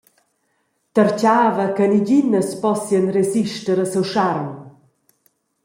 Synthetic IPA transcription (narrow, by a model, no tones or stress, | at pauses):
təɾt͡ɕaːvəkəniɟinəspɔsjənreziʃtəɾəsəwʃaɾm